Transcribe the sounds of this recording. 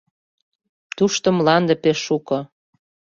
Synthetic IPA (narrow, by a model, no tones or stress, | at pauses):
t̪uʃt̪ə̆mlɑnd̪ə̆peʃːukɤ̆